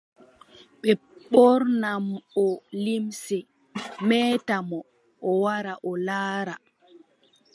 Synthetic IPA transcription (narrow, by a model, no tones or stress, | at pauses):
ɓɛ | ɓɔɾnamɔlimsɛ | mɛːtamɔ | ʔɔwaɾaʔɔlaːɾa